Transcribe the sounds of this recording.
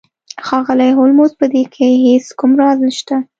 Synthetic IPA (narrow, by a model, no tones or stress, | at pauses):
xɑɣəlajɦolmozpəd̪ekʰeheskʊmɾɑznəʃt̪a